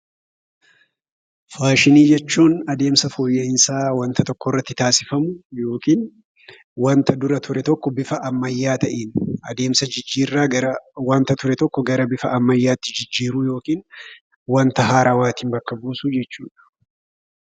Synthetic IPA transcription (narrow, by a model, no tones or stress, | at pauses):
faːʃɪniːd͡ʒɛt͡ʃːuːnɐd̪e̞ːmsɐfɔːjːeɪnsaːwɐnt̪ɐt̪ɔkːɔɪrːɐt̪ːɪt̪aːsɪfɐmʊjo̞ːkiːn | wɐnt̪ɐd̪ʊɾɐt̪ʰʊɾɛt̪ɔkːɔbɪfɐʔɐmːɐjːaːt̪ɐʔiːnɐd̪e̞ːmsɐd͡ʒɪd͡ʒːiːrːaːɐwɐnt̪ɐt̪ʊɾɛt̪ɔkːɔɡɐɾɐbɪfɐʔɐmːɐjːaːt̪ːɪ̥d͡ʒɪd͡ʒːiːɾʊjo̞ːkiːn | wɐnt̪ɐɦaːɾawaːt̪iːmbɐkːɐbuːsud͡ʒɛt͡ʃːuːᶑɐ̥